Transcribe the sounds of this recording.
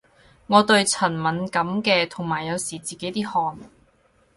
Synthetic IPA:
ŋɔː˨˧t̪ɵ˧ɥt͡sʰɐ˨˩nmɐ˨˥nkɐ˨˥mkɛː˧t̪ʰo˨˩ŋmaː˨˩jːɐ˨˧wsiː˨˩t͡siː˨ke˨˥jt̪iː˥hɔː˧n

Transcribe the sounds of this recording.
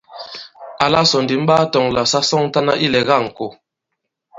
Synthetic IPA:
a˨la˦sɔ˨ndi˨˦m̩˦ɓaː˦tɔ˨ŋla˨sa˦sɔ˦ŋ˦ta˦na˦ʔi˦lɛ˨ɣa˦˨ŋ̩˨ko˨

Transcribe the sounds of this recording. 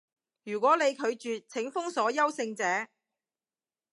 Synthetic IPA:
jyː˨˩kʷɔː˨˥ne˨˧jkʰɵ˨˧ɥt͡ʃyː˨t͡sʰɪ˨˥ŋfʊ˥ŋsɔː˨˥jɐ˥wsɪ˧ŋt͡sɛː˨˥

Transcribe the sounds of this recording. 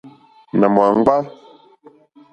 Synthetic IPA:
na˨mwa˨ŋ̩˦ɡ͡ba˦

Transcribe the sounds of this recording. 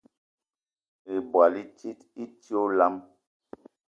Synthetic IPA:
e˨bwa˨li˦ti˦ti˦ti˦o˦la˦m

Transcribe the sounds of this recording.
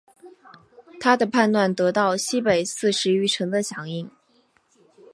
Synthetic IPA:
t̪ʰa˥d̪ə˨pʰa˥˧nt̪wa˥˩nt̪ɤ˧˥t̪ɑ˥˩ʊɕi˥pe˨˩ɪsɹ̩˥˩ʂɻ̩˧˥y˧˥ʈ͡ʂʰɤ˧˥ŋd̪ə˧ɕjɑ˧˥ŋi˥˩ŋ

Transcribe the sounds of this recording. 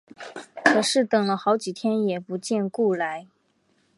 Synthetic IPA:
kʰɤ˨˩ʂɻ̩˥˩t̪ɤ˨˩ŋlə˦xɑ˧˥ʊt͡ɕi˨˩t̪ʰjɛ˥njɛ˨˩pu˧˥t͡ɕjɛ˥˧nku˥˩la˧˥ɪ

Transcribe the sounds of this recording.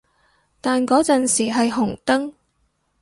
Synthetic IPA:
t̪aː˨nkɔː˨˥t͡sɐ˨nsiː˨˩ɦɐ˨jɦʊ˨˩ŋt̪ɐ˥ŋ

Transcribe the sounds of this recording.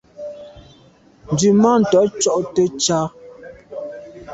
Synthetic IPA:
n̩˨dʉ˨ma˦n̩˨tɔ˨˦t͡ʃɔ˦ʔtə˦t͡ʃa˦

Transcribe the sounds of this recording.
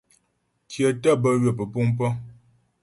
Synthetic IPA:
kjə˨tə˦˨bə˦ɥə˨pə˨pu˦ŋpə˦

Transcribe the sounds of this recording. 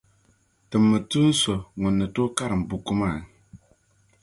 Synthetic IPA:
tɨ˨mːɨ˨tu˦n̩˦sɔ˨ŋʊ˨nːɨ˨to˦ka˦ɾɨ˨m˨bu˨ku˦maː˦˨ŋ

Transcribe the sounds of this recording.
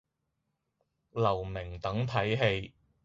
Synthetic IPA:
lɐ˨˩wmɪ˨˩ŋt̪ɐ˨˥ŋt̪ʰɐ˨˥jɦe˧j

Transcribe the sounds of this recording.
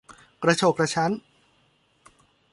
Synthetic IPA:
kɾa˧t͡ɕʰo˨˩k̚ɾa˧t͡ɕʰa˦˥n

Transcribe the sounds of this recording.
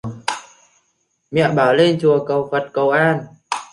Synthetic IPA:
mɛ̰˧˨ɓaː˨˩wle˧nt͡ɕu˨˩əkə˨˩wfə˨˩t̚kə˨˩wʔaː˧˩n

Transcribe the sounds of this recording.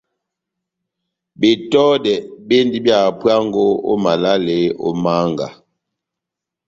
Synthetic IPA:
be˨tɔ˦dɛ˨be˦ndi˦bja˨pwa˦ŋɡo˦o̰˦ma˨la˦le˨˦o̰˦ma˦ŋɡa̰˨

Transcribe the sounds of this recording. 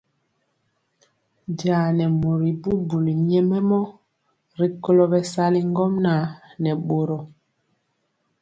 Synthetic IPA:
daː˨nɛ˨mo˨ɾi˨bu˦bu˨li˨ɲɛ˦mɛ˦mɔ˦ | ɾi˨kɔ˦lɔ˨bɛ˨sa˦li˦ŋ˦ɡɔ˦mna˨˦nɛ˨ɓo˨ɾɔ˨

